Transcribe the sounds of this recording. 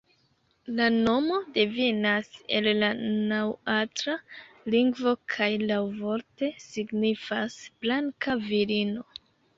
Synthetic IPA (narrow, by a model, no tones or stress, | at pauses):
lano̞mo̞devinase̞lːanawatɾa | liŋɡvo̞kʰajlawvo̞ɾte̞siɡnifasb̥laŋkaviɾino̞